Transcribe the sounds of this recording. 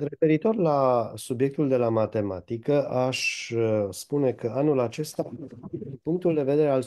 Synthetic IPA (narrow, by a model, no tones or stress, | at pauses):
re̞fe̞ɾit̪o̞rlasubje̞k̚t̪uld̪e̞lamat̪e̞mat̪ikəʔaʃ | spune̞kʰəanulat͡ʃe̞st̪at̪d̪inpuŋk̚t̪uld̪e̞ve̞d̪e̞ɾe̞al